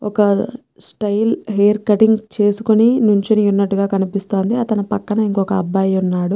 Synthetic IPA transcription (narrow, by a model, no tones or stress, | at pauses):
ɔkɐ | sʈɐjlɦeːɾkɐʈiŋɡt͡ʃe̞ːsukuninuɲt͡ʃiniunːɐʈːuɡaːkɐnipist̪o̞ːnd̪iɐt̪ɐnɐpɐkːɐnɐiŋkɔːkɐɐbːaːjunːaːɽu